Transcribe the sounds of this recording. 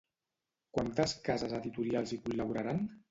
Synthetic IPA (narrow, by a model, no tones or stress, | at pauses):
kwant̪əskazazaðit̪uɾialˠzikulːaβuɾaɾan